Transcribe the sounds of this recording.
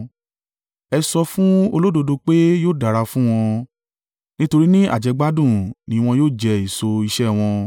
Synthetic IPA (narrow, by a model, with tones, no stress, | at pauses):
ɛ˧sɔ˧fũ˦o˧lo˦do˧do˧k͡pe˦joː˦˨da˨ɾa˧fũ˦w̃ɔ̃˧ | nĩ˦to˧ɾi˦nĩ˦a̰˦˨d͡ʒɛ˧ɡ͡ba˦dũ˦˨nĩ˨˦˧w̃ɔ̃˧joː˦˨d͡ʒɛ˧i˦˨so˧i˧ʃɛ˦˨w̃ɔ̃˧